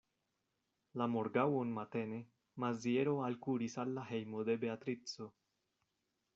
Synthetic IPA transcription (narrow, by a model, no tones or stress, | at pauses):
lamo̞ɾɡawonmat̪e̞ne̞ | mazieɾo̞alkuɾisalːaɦe̞jmo̞d̪e̞be̞at̪ɾit͡so̞